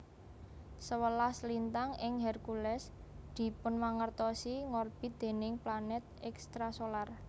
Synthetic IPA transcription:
səwəlaslint̪aŋɪŋɦɛrkulɛs | d̪̥i̤pʊnmaŋərt̪ɔsiŋɔrb̥i̤d̪̥e̤nɪŋplanɛt̪̚ɛkst̪ɾasolar

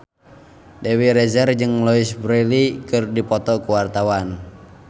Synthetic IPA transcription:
dɛwiɾɛzɛrd͡ʒɨŋlɔisbɾɛlikɨrdipɔt̪ɔkuwart̪awan

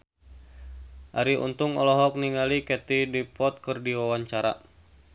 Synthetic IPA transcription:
ʔaɾiʔṵnt̪uŋɔlɔɦɔk̚niŋalikɛt̪idipɔt̪̚kɨrdiwawaɲt͡ʃaɾa̰

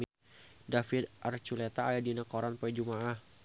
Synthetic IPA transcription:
dafid̪ʔart͡ʃulet̪aːjadinakoɾanpɔid͡ʒumaʔah

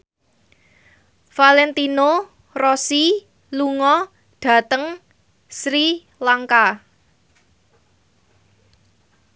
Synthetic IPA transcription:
falɛnt̪ino | rɔsi | luŋɔ | ɖ̥ä̤t̪əŋ | sɾi | laŋka

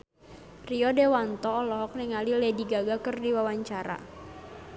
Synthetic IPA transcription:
riɔdewant̪ɔːlɔɦɔk̚nɛŋalilɛdiɡaɡakərdiwawaɲt͡ʃaɾa̰

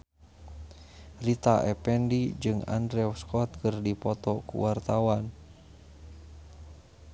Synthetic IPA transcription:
rit̪aʔɛpɛndid͡ʒɨŋa̰ndɾɛwskɔt̪̚kɨrdipɔt̪ɔkṵwart̪awan

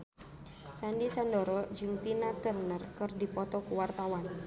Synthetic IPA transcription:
sandisandɔɾɔd͡ʒɨŋt̪inat̪ərnərkɨrdipɔt̪ɔkuwart̪awan

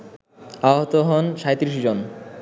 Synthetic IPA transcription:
aɦot̪oɦɔnʃaet̪ɾiʃ̬id͡ʑon

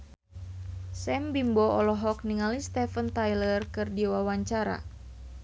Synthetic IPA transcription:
sɛmbimbɔɔlɔɦɔk̚niŋalist̪ɛfənt̪ajlərkɨrdiwawaɲt͡ʃaɾa̰

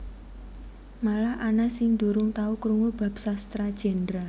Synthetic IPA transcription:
malahʔanasɪŋd̪̥uɾʊŋt̪aukɾuŋub̥a̤p̚sast̪ɾad̥ʒ̥ɛnd̪ɾa

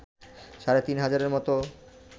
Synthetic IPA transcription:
ʃaɾet̪inɦad͡ʑaɾeɾmɔt̪o

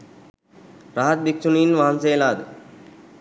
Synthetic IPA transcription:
ɾaɦat̪̚bikt͡ʃuninʋaɦansejlaːd̪ə

